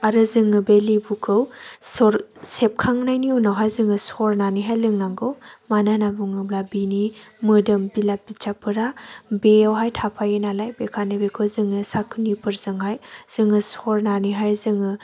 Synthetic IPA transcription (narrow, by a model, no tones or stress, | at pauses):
aɾɯzɯŋɯbelibukʰɯwsɔɾsep̚kʰaŋnajniunawɦajzɯŋɯsɔɾnaniɦajlɯŋnaŋɡɯwmananabuŋɯblabinimɯdɯmbilap̚bit͡ʃapʰɯɾabeawɦajtʰapʰajenalajbekʰanɯbekʰɯwzɯŋɯsakʰunipʰɯɾzɯŋɦajz̥ɯŋɯsɔɾnaniɦajɾzɯŋɯ